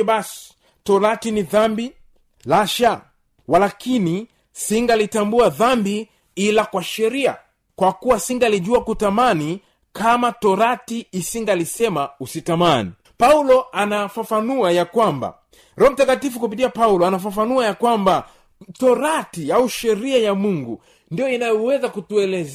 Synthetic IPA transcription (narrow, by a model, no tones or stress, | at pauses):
ɓasi̥ | tɔɾatiniðambi | laʃa | walakʰini | siŋɡalitambuaðambi | ilakwaʃɛɾia̰ | kwakuwasiŋɡaliʄuakutamani | kamatɔɾatiːsiŋɡalisɛmausitamanḭ | paulɔanafafanuajakwamba̰ | ɾɔɔm̩takatifukupitiapaulɔanafafanuajakwamba | tɔɾatiauʃɛɾiajamuŋɡu | ndijɔinajɔwɛzakutuɛlɛz